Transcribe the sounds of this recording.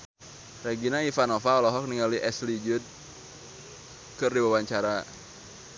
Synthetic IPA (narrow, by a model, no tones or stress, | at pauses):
reɡinaifanɔfaɔlɔɦɔk̚niŋaliʔɛslid͡ʒʊd̪̚ | kɨrdiwawaɲt͡ʃaɾa